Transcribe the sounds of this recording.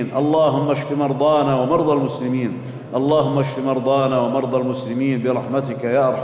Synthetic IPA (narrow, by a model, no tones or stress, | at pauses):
nʔɑlˤːɑːɦʊmːaʃfimɑɾˤd̪ˤɑːnawamɑɾˤd̪ˤɑlmʊslɪmiːn | ʔɑlˤːɑːhʊmːaʃfimɑɾˤd̪ˤɑːnawamɑɾˤd̪ˤɑlmʊslɪmiːnbɪɾˤɑħmat̪ɪkajaːʔɑɾˤħ